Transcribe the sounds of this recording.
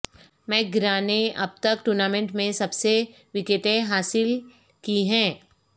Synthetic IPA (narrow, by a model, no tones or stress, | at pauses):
mɛ̃ːɡɾaːneʔɐ̰b̚t̪ɐkʈuːɾnaːmẽɳʈmẽsɐbse | ʋɪkeʈẽɦaːsɪl | kiɦɛ̃ː